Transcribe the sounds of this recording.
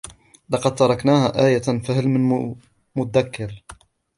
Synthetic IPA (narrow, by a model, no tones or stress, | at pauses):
lɑqɑd̪̚t̪ɑɾˤɑknaːhaːʔaːjafahalmɪn | mʊt̪ad̪akːɪɾ